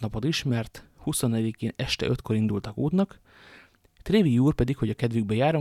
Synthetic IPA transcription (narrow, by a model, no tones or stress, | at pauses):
nɒpo̞t̪iʃmɛrt̪huso̞nːɛjɛd̪ikeːnɛʃt̪ɛ̰ʔø̞t̪ko̞ɾind̪ult̪ɒkoːt̪nɒk | t̪reːviuːrpɛd̪ikho̞ɟɒkɛd̪vyɡ̚bɛjaːɾo